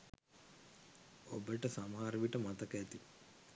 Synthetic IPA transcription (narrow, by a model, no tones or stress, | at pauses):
obəʈəsamɦaːɾəʋiʈəmat̪əkɛt̪i